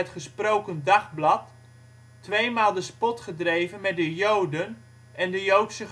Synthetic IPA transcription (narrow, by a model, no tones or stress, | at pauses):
ətχəsprowkəndɑχblɑtː | ʋejmaːlˠdəspɔtχədrejvənmɛt̚dəjowdən | ɛndəjowtsə